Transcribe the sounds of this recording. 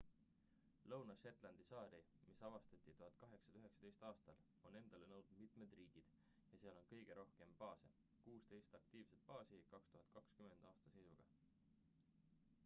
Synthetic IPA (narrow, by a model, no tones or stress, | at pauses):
lɤwnɑʃe̞t̪ˑlɑnd̪̥isɑːɾimisɑvɑst̪ɑt̪ʲˑːit̪uɦɑd̪̚kɑɦe̞ksɑyɦe̞ksɑ̥t̪ejst̪ɑːst̪ɑl | o̞ne̞nd̪̥ɑlenɤwd̪umit̪me̞d̪riːɡ̥id̪̥ | jɑseɑlo̞nkɤjɡ̥e̞ɾʔo̞hke̞mpɑːsḛ | kuːst̪e̞jst̪ɑkt̪iːvse̞t̪̚pɑːsikɑkst̪uɦɑt̪̚ˑkɑkskyme̞nd̪̥ɑːst̪ɑse̞jsuɡ̥ɑ